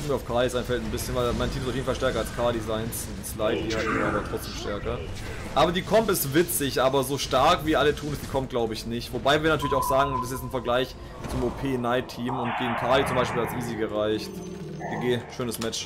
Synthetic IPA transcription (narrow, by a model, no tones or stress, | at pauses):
miːɐaʊfkʰaɐlisʔaɪnfɛltn̩bɪsçənvaɪmaɪntʰiːmɪstafjeːnfalʃtɛɐkɐalskʰaːɐdizaɪns | aslaɪtd̥ihatːaːbɐtʁ̥ɔt͡sd̥eːmʃtɛɐkɐ | ʔaːbɐdiːkʰɔmtɛstv̥ɪt͡sɪçʔaːbɐzoːʃtaɐkviːʔalətʰuːnɛsd̥iːkʰɔmt̚ɡ̥laʊbəɪçnɪçtv̥obaɪviːɐnatyɐlɪçaʊxz̥aːɡŋ̩d̥ɛsjɛt͡ssn̩fɛɐɡlaɪç | t͡sumʔoːpʰeːnaɪtʰːiːmʊntɡ̥eːɡŋ̩kʰaːɐlit͡sʊmbaɪʃpiːlasʔiːziɡəʁaɪçt | ɡ̥iɡeːʃøːnəsmɛt͡ʃ